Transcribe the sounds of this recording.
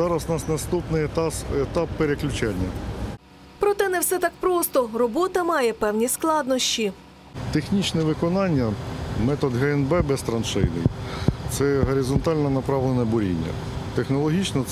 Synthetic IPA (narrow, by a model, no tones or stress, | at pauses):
zɑɾɐsnɐsnɐst̪upnɪjt̪ɑset̪ɑpːeɾeklʲʊt͡ʃanʲːɐ | pɾɔt̪ɛnɛwsɛt̪ɑk̚pɾɔst̪ɔrɔbɔt̪ɐmɑjɛpɛwnʲisklˠɑd̪nɔʃt͡ʃi | t̪exnʲit͡ʃnɛʋɪkɔnɑnʲːɐmɛt̪ɔd̪ɦɛɛnbɛbɛst̪ɾɐnʃɪjnɪ̰jt̪sɛɦɔɾʲizɔnt̪ɑlʲnɐnɐpɾɑʋlˠenɐbʊɾʲḭnʲːɐ̰ | t̪exnɔlˠɔɦʲit͡ʃnɔ